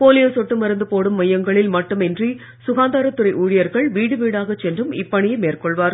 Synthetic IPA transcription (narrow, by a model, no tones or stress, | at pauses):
poːlɪjɐsɔʈːɯmɐɾɐnd̪ɯpoːɽɯmːɐjːɐŋɡɐɭɪlmɐʈːɯmɛndri | sʊɣaːnd̪aːɾɐt̪ːɯɾɐɪʔuːɻɪjɐɾɣɐɭʋiːɽɯʋiːɽaːɣɐt͡ʃːɛndrɯmɪpːɐɳɪjɐmeːrkɔɭʋaːɾ